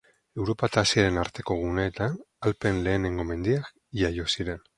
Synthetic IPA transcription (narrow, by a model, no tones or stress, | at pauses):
e̞wɾo̞pat̪asiaɾe̞naɾt̪e̞ko̞ɣ̞une̞ːt̪an | alpe̞nle̞ːne̞ŋɡo̞me̞nd̪iak | ʝajo̞siɾe̞n